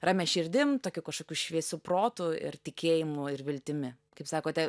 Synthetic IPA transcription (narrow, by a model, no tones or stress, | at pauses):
rɑːmʲɛʃʲɪɾʲd̪ʲɪmt̪oːkʲukɐʃkoːkʲuːʃʲʋʲiɛsʲuːproːt̪ʊɪ̰rt̪ʲɪkʲʰeːjɪmʊɪrʋʲɪlʲt̪ʲɪmʲɪ | kɐɪpsɑːkoːt̪ʲɛ